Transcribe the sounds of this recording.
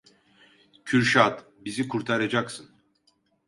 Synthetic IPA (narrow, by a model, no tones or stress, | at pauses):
cʰyɾʃat̪ | bizikʰuɾt̪ʰaɾad͡ʒaksɯn